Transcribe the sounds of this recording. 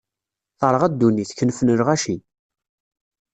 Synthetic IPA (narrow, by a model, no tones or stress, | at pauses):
θəɾˤʁæd̪ːuniθçənfnəɾʁæʃi